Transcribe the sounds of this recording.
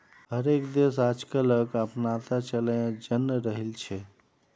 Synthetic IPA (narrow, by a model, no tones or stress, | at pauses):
ɦəɾekd̪esad͡ʒkələkəpnat̪at͡ʃələjãd͡ʒənːɾəɦilt͡ʃʰɛ